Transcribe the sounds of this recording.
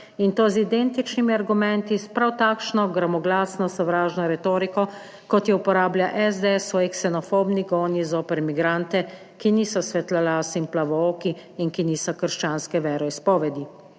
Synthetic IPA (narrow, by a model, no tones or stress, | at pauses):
int̪oːzid̪ɛnt̪it͡ʃnimiaɾɡumɛnt̪ispɾawt̪aːkʃnɔɡɾamɔɡlaːsnɔsɔʋɾaːʒnɔɾɛt̪oːɾikɔ | kɔt̪jɛupɔɾaːbljaʔɛzd̪ɛɛsʋɔːjɛksɛnɔfoːbniɡɔːnizoːpɛɾmiɡɾaːnt̪ɛ | kiniːsɔsʋɛt̪lalaːsimplaʋɔoːkiinkiniːsɔkəɾʃt͡ʃaːnskɛʋɛːɾɔispɔːʋɛd̪i